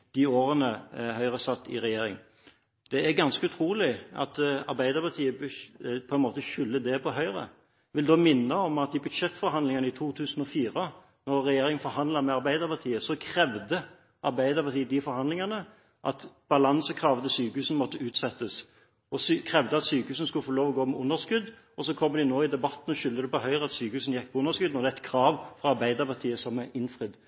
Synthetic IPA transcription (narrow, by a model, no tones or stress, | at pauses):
d̪̥ioːɾənəhœʏʁəsɑt̪ːɪ̰ɾɛjeːɾɪ̰ŋ | d̪̥ɛæɾɡɑnskəʉt̪ʰɾuːlɪɑ̰t̪ɑ̰ɾbæɪd̪əɾpɑt̪ʰiːəbpʰɔɛnmoːt̪əçʏlːəd̪ɛpʰɔɦœʏɾə̰ | ʋɪld̪oːmɪnːəɔmɑt̪ɪbʉd̪ʂɛt̪ːfɔɾhɑnd̪lɪŋənəɪt̪ʰuːt̪ʰʉːsn̩ɔfiːʁə | nɔɾːɛjeːɾɪŋənfɔɾɦɑnd̪lɑɾmɛɑɾbæɪd̪əɾpɑt̪ʰiːəsɔkʰɾɛʋd̪ə | ʔɑɾbæɪd̪əɾpɑt̪ʰiːəd̪ɪfɔɾhɑnd̪lɪŋɑnə | ʔɑ̰t̪b̥ɑlɑnsəkʰʁɑːʋət̪ɪsyːkəhʉːsən̩mɔt̪ːəʉːt̪sɛt̪ːəs | ɔskʰʁɛʋd̪əɑt̪syːkəhʉːsn̩skʉləfoːloːʋɔɡoːmɛʊnːəskʉd̪ | ɔsɔkʰɔmːəd̪ɪnoːɪd̪ɛbɑt̪ːn̩ɔʃʏld̪əd̪ɛpɔɦœʏʁəɑt̪syːkəʉːsn̩jɛk̚ːpʰɔʊnəɾskʉd̪nɔʁd̪ɛæɛt̪kʰʁɑːʋfɔɑɾbæɪd̪əɾpɑt̪ʰiːəsɔmːɛʔɪnfʁɪd̪